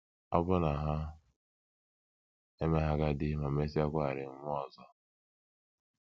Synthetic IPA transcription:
a̰˦bʊ˦na˨ɦa˦ | e˦me˦ɦa˦ɡa˦dɪ˦ma˨me˦si˦a˦kʷa˦˨ɾɪ˨m̩˦mʷʊ˦ɔ˨zɔ˦

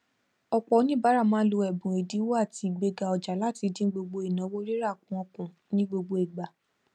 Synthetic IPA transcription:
ɔ˧k͡pɔ˧˦nĩ˦ba˨˦ɾa˦˨mãː˦lo˧ɛ˨bũ˨e˨di˨˦wo˦a˦˨ti˧˨ɡ͡be˧ɡa˧ɔ˨d͡ʒa˨la˦˨ti˧dĩ˦ɡ͡bo˧ɡ͡bo˧i˨nã˨˦wo˦ɾi˦ɾa˦˨kũ˨˦ɔ˧kũ˨ | nĩ˦ɡ͡bo˧ɡ͡bo˧ɛ˨ɡ͡ba˨

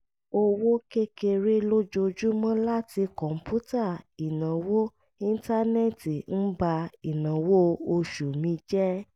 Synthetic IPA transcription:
o˧wo˦ke˦ke˧ɾe˦lo˦d͡ʒo˧d͡ʒu˦mã˦la˦ti˧kɔ̃˨m̩˨pu˦ta˦˨i˨nã˨wo˦ | ĩ˦˧n˦ta˦ne˦˨ti˨n̩˦ba˧i˨nã˨wo˦o˧ʃu˨mĩ˧˦d͡ʒɛ˦

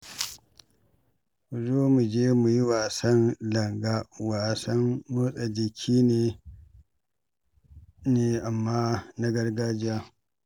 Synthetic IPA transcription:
u˨zoː˦mu˨d͡ʒeː˦mu˨ji˦waː˨sɐ˦nlɐ˨ŋɡaː˦waː˨sɐ˦nmoː˦sʼa˨d͡ʒɪ˨kʲʰiː˦neː˨ | neː˨ʔa˨mːaː˦na˦ɡɐ˦rɡaː˦d͡ʒɪ˦ja˦

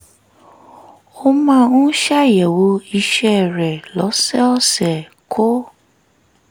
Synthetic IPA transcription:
o˦mã˦ũ˦ʃa˦˨jɛ˨wo˨˦i˧ʃɛ˦˨ɾɛ˨lɔ˨˦sɛ˦ɔ˦sɛ˨ | kʰo˦

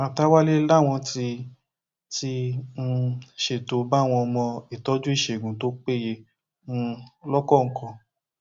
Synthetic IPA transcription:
ã˨ta˦wa˦le˦la˦˨w̃ɔ̃˧ti˧ | ti˧˦˧ | ʃe˨to˨ba˦˨w̃ɔ̃˧ɔ˧mɔ̃˧i˨tɔ˨˦d͡ʒũ˦i˦˨ʃe˨ɡũ˨to˨˦k͡pe˦˨je˧˦˧ | lɔ˦kɔ˦˨ŋ̩˨kʰɔ̃˧

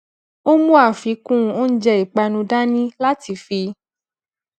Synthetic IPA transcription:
o˦mũ˦a˦˨fi˨˦kũ˦˨o˦n̩˦d͡ʒɛ˧i˨k͡pa˧nũ˧da˦nĩ˦la˦ti˧fi˧

